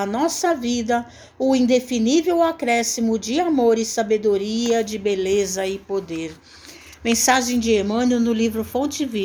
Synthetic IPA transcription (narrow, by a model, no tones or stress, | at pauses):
ɐnɔsɐvid̪ɐ | ʊĩd̪efinivewakɾɛsimʊd͡ʒɪamoɾɪsabed̪oɾiɐd͡ʒɪbelezɐɪpod̪eɾ | mẽsaʒẽj̃d͡ʒɪemɐ̃nʊnʊlivɾʊfõt͡ʃɪvi